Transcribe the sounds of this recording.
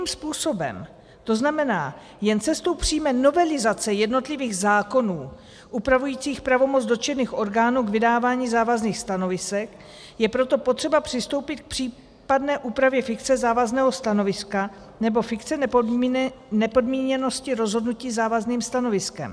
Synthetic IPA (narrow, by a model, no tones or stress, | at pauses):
mspuːso̞bɛ̰m | t̪o̞znamɛnaː | jɛnt͡sɛst̪o̞wpr̝̥iːmɛno̞vɛlɪzat͡sɛjɛdno̞t̪lɪviːɣzaːko̞nuː | ʔupɾavujiːt͡siːxpɾavo̞mo̞t͡sdo̞t͡ʃɛniːxʔo̞ɾɡaːnuːɡvɪdaːvaːɲiːzaːvazniːxst̪ano̞vɪsɛk | jɛpɾo̞t̪o̞po̞t̪r̥ɛbapr̥ɪst̪o̞wpɪt̪k̚pr̥iː | padnɛːʔuːpɾavjɛfɪkt͡sɛzaːvaznɛːɦo̞st̪ano̞vɪska | nɛbo̞fɪk̪t͡sɛ | nɛpo̞dmiːɲɛno̞scɪɾo̞zɦo̞dnuciːzaːvazniːmst̪ano̞vɪskɛ̰m